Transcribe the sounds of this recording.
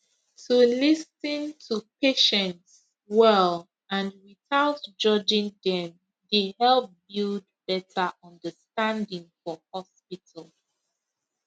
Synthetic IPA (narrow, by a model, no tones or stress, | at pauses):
tʰulisə̃ntʰupeʃɛ̃nts | wɛl | ãnwiθaʊtd͡ʒʌd͡ʒɪ̃ŋdɛ̃m | dehɛlˠp̚bilˠdbɛtʰəʔʌ̃ndəstãndɪ̃ŋfɔhɔspitʰəlˠ